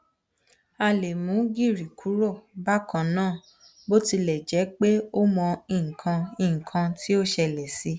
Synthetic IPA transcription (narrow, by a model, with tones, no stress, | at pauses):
a˧le˨mũ˨˦ɡi˦˨ɾi˨kʰu˨˦ɾo˦˨ba˦kã˨nãː˦˨ | bo˦ti˧lɛ˨d͡ʒɛ˨˦k͡pe˦o˦mɔ̃˧ĩ˨kʰã˧ĩ˨ŋ̩˨kʰã˧tʰi˦o˦ʃɛ˧lɛ˨si˧˦